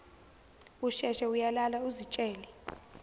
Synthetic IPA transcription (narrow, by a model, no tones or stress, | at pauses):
uʃɛʃɛujalalauzit͡ʃʼɛːlɛ